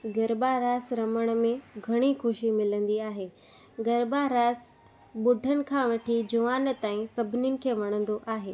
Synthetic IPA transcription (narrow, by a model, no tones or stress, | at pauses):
ɡɐɾbaɾaːsɾɐməɽ̃̆mẽɡʱɐɽ̃ixʊʃimɪlə̃nd̪iaːɦeː | ɡɐɾbaɾaːs | ɓʊɖʱənɪ̆kʰãːʋɐʈʰid͡ʑɐʋaːn̆t̪aːĩsɐbʱɪnjʊnɪ̆kʰeːʋɐɽ̃ə̃nd̪oʔaːɦeː